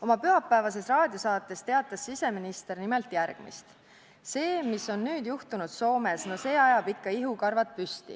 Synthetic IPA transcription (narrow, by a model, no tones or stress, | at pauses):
o̞mɑpyɦɑpˑːæevɑse̞srɑːd̪̥iosɑːt̪ːˑe̞st̪e̞ɑt̪ːˑɑsːise̞minist̪e̞rnimelt̪ˑjærɡ̥mḭst̪ | se̞ːmisːo̞nːyːd̪̥juht̪unud̪̥so̞ːme̞sno̞se̞ːɑjɑb̥ikːɑiɦukɑrvɑt̪̚pyst̪ḭ